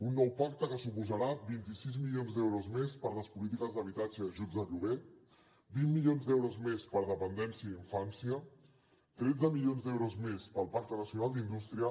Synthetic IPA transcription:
unːɔwpak̚t̪əkəsupuzəɾabint̪isizmilionzd̪ɛwɾozmespəɾləspulit̪ikəzðəβit̪ad͡ʒəəʒud͡z̪əʎuβe | bimːiʎonzd̪ɛwɾozmespəɾð̞əpənd̪ɛnsiəiɱfansiə | t̪ɾɛd͡zəmiʎionzd̪ɛwɾozmespəlˠpak̚t̪ənəsjunalˠd̪ind̪ust̪ɾiə

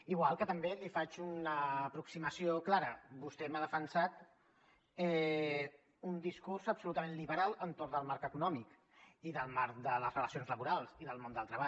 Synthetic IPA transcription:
iɣwalˠkət̪əmbelifat͡ʃunəːpɾuksiməsioklaɾəbust̪ɛmaðəfənsat̪ | ɛ | und̪iskursəpsulut̪əmẽnliβəɾalˠənt̪oɾd̪əlˠmaɾkəkunɔmik | iðəlˠmaɾkd̪ələzrələsionzləβuɾalˠsiðəlˠmond̪əlˠt̪ɾəβa

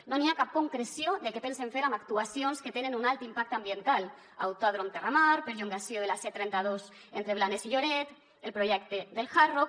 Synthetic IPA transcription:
noniakap̚koŋkɾesjoðekepenseɱfeɾamakt̪uasjonsket̪enenunalˠt̪impak̚t̪ambjent̪al | a̰wt̪aðɾomt̪eramaɾpeɾʎuŋɡasjoð̞elaset̪ɾɛnt̪aðos | ent̪ɾeβlanesiʎoɾɛt̪ | elpɾoʒɛk̚t̪ed̪elxaro

